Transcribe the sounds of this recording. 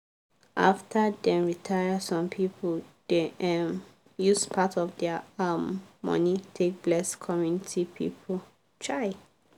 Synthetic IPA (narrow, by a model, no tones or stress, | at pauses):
ʔa̰ftʰədɛ̃mɹitʰajəsɔ̃mpʰipʰəld̥eɛm | juspʰatɔvdɛamːɔ̰̃nitʰek̚blɛskʰɔmjunitʰipʰḭpʰəl | t͡ʃʰɹaɪ